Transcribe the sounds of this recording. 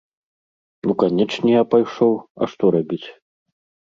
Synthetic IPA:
nukanʲɛt͡ʂnʲɛjapajʂɔwɐ̰ʂt̪ɔɾabʲit͡sʲ

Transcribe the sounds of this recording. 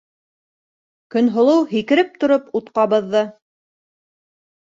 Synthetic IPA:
kɵ̆nɦŏlˠɤwɦikɘ̆ɾɘp̚t̪ŏɾoput̪qɑβɤ̆ðːɤ

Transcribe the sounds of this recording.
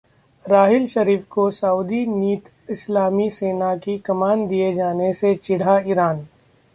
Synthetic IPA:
ɾaːɦɪlʃɐɾiːfkosɐuːd̪iniːt̪ | ɪslaːmiseːnakikɐmaːnd̪ijed͡ʒaːneset͡ʃɪɽ̤aiːɾaːn

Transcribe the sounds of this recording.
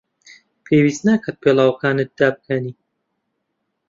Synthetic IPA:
pʰeːwiːst̪naːkʰat̪̚pʰeːlˠaːwɐkaːnɨt̪̚d̪̥aːb̚kʰɐniː

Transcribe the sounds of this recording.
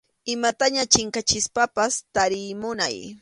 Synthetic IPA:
ɪmat̪aɲat͡ʃɪŋkat͡ʃɪspapast̪aɾɪmʊna̰j

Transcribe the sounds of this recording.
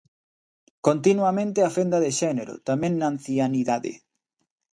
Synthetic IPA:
kont̪inwamẽnt̪eafend̪aðeʃɛneɾo̰t̪amẽŋnaːn̟θjaniðaðḛ

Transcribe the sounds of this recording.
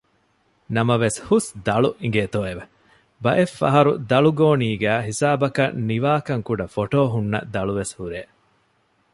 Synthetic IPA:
nɐmɐʋeshusd̪ɐɭuʔiŋɡeːt̪oːeʋɐ | bɐʔefːɐ̰ɦɐɾud̪ɐɭuɡoːniːɡæːɦisaːbɐkɐnniʋaːkɐŋkuɖɐfoʈoːɦunːɐ̰d̪ɐɭuʋeshuɾeː

